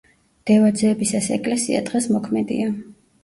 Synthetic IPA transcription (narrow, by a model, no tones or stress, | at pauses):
d̪̥ɛvad̪zɛːbisasɛ̰kʼlɛsia̰d̪ʁɛsmɔkʰmɛd̪ḭa